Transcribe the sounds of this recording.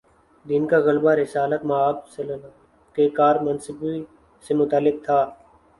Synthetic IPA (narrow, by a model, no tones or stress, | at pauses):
d̪ɪnkaɣɐlbaɾɪsaːlət̪maaːbsɐln | kekaːɾmɐnsɪbi | semʊt̪alːɪk̚t̪ʰaː